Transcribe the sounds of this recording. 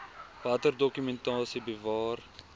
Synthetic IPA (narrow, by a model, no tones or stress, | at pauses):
vɐtərdokymɛntɑːsibəvɑːr